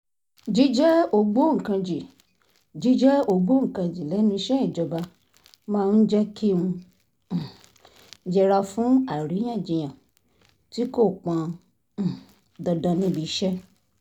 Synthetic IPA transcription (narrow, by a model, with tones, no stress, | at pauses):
d͡ʒi˦d͡ʒɛ˦o˧ɡ͡bo˦ŋ̩˨kã˧d͡ʒi˨ | d͡ʒi˦d͡ʒɛ˦o˧ɡ͡bo˦ŋ̩˨kã˧d͡ʒi˨lɛ˨˦nĩ˧˦ʃɛ˦ĩ˦˨d͡ʒɔ˧ba˧ | mãː˦˧n̩˦d͡ʒɛ˦kʰi˦ũ˧˨ | d͡ʒɛ˧ɾa˧fũ˦a˦˨ɾĩ˨˦ã˦˨d͡ʒĩ˨j̃ã˨ | ti˦ko˦˨k͡pã˧˨ | dɔ˧dã˧nĩ˦bi˧˦ʃɛ˦